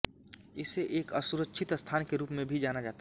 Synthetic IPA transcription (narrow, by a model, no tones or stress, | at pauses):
ɪseʔeːkəsuɾəkʃʰɪt̪əst̪ʰaːnkeɾuːpmẽbʱid͡ʒaːnad͡ʒaːt̪a